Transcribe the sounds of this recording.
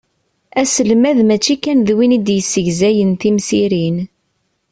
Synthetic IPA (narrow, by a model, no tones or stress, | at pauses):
æsəlmæðmæt͡ʃːikænðwinid̪jəsːəʝzæjənθimsiɾin